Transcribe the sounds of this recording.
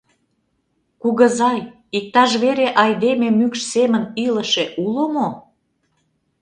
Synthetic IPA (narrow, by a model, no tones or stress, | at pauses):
kuɣə̆zɑj | ik̚t̪ɑʃ̬βeɾeʔɑjd̪ememykʃsemənilə̆ʃeʔulomo